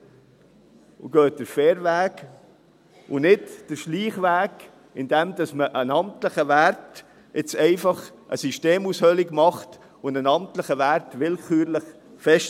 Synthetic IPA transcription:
ṵɡ̥œːt̚d̥əɾfɛːɾʋæːɡ | ʊnɪtd̥əɾʃliːχʋæːɡ | ɪnd̥ɛmd̥ɑsməʔənɑmtləχəʋæɾt | ɪt͡sɛɪfɑχ | ʔə̰siʃteːmushœlɪɡmɑχt | ʊndənɑmtləχəʋærtʋɪlkʰyːɾləχ | fɛʃ

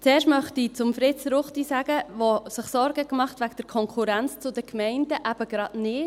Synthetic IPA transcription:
t͡seːɾʃtmœχtit͡sʊmfɾɪt͡sɾʊχtisæɡ̥əvosɪχsɔɾɡəkmɑχtvæɡd̥əɾkʰɔŋkʰuɾænt͡st͡sʊdəkmɛɪnd̥əʔæb̥əɡ̥ɾɑdnɪ

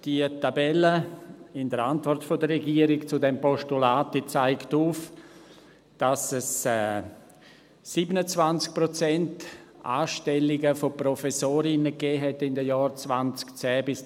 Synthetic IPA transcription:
d̥iətabɛləɪndəɾantvɔrtfodərɛɡiəɾɪkt͡sʊdɛmpɔʃtulaːtit͡saɪktuf | d̥asɛsɛ | iːbənət͡svant͡sk̚pɾot͡sɛntʔa̰ːʃtɛlɪɡəfoprɔfɛsoːɾɪnəkɛːɦɛtɪndəjɔːɾt͡svant͡skt͡sɛːbɪs

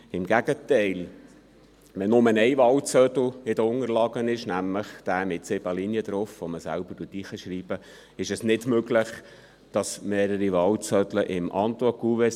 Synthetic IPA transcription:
ɪmɡ̥æɡət̪ɛɪl | ʋɛnʊmənɛɪʋɑlt͡sœd̪l̩ɪd̥əʊŋəɾlɑɡənɪʃnæmləχd̪̥æːmɪtsɪb̥ɑliniəd̥̪ɾofʋoməsæ̰lb̥əɾtutiːχəʃɾiːb̥ə | ɪʃɛsnɪdmøɡləχ | d̥ɑsmeːɾəɾiʋɑlt͡sœdləʔɪmʔɑnt̪okuʋɛ

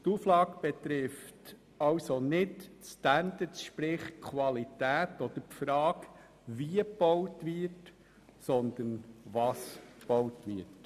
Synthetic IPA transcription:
tuflɑːɡb̥ɛt̪ɾɪft | ɑwsonɪtstændətʃpɾɪχkʰwɑlitæːtɔd̪̥əɾpfɾɑːk | viəpɔwtvɪɾt | sɔnd̪ənvɑsb̥ɔwtʋɪt

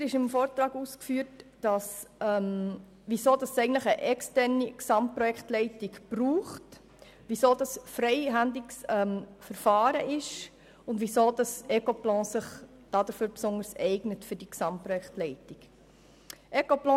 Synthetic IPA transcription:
ɾɪʃɪmfoːɾtɾɑːɡuskfyːəɾtd̥ɑsɛm | ʋisoːd̥ɑsɛɪɡən̩tləχəʔɛkstɛɾniksɑmt̚pɾɔjɛkχtlɛɪtɪkb̥ruːχt | ʋisoːdɑsfɾɛɪɦændlɪksɛmfəɾfɑːɾəʔɪʃ | ʊndʋisoːd̥ɑsɛkoplɑ̃ːsɪχ | d̥ɑdəɾføɾpsʊndəɾsɛɪɡnətfɵɾd̥iksɑmtpːɾɔjɛktlɛɪtɪk | ʔɛkoplɑ̃ː

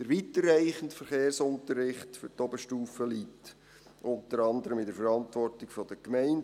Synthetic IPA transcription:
d̥əɾʋiːtərːæɪχəntfəɾχeːrsʊntəɾːɪχtfy̰ɾtɔbəʃtuːfəliːt | ʔʊntəɾɑndəɾəmɪdəfəɾɑntʋɔrtɪkfɔd̥əkmɛæɪn

